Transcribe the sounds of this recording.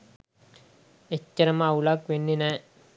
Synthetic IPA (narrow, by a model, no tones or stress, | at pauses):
et͡ʃːɐɾɐmawlaːkʋenːinɐ